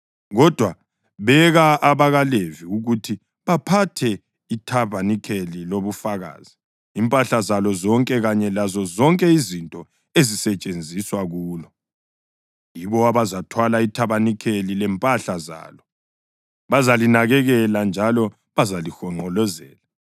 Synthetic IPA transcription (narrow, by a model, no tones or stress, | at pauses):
ɣɔd̥ʱwa | βɛɣaːβaɣaleviuɣutʰi | βapʰatʰɛ | itʰaβanikʰeliloβufaɣa̰ːz̥i | impʼaɬazalɔzɔŋkʼɛɣaɲɛlazɔzɔŋkʼɛizintʼɔ | ezisɛt͡ʃʼend͡zʱiswaɣuːlɔ | jiβɔaβazatʰwalaitʰaβanikʰelilɛmpʼaɬaza̰ːlɔ | βazalinaɣɛɣɛland͡ʒʱalɔ | βazalixɔŋ͡ǃɔlɔzɛ̰ːla